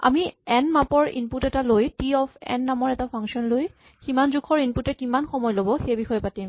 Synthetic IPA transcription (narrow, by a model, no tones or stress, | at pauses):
a̰miɛnmapɔɹḭnputɛtalojtiɔfʰɛ̰nːamɔɹɛtapʰaŋksiɔnloj | kimanzukʰɔɹinputɛkimanxɔmɔjlobɔxejbixɔjɔpatim